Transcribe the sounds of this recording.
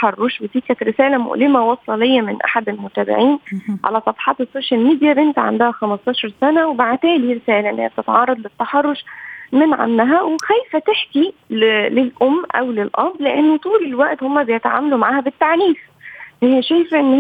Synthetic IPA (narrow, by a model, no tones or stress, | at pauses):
ħɑrˤːoʃwet̪iːkæt̪ɾɪsæːlæmo̰ʔlɪmæwɑsˤlɑlejːæmɪnʔa̰ħad̪elmot̪æːbɪ̰ʕiːnʕa̰læsˤɑfɑħɑːt̪esːoːʃælmiːd̪ijæbʔent̪æʕa̰nd̪æhæxæmɑst̪ˤɑːʃɑɾˤsænæwebaʕt̪æːliɾesæːlæʔenːhejæb̚t̪et̪ʕɑrˤːɑd̪ˤlɪt̪ːaħɑrˤːoʃmɪnʕa̰nːæɦæwexæjfæt̪eħkillelʔomːʔæ̰wlelʔɑbleʔenːot̪ˤuːlelwæʔt̪homːæbejet̪ʕa̰ːmælumaʕaːhæbet̪ːaʕniːf | hejːæʃæjfʔenː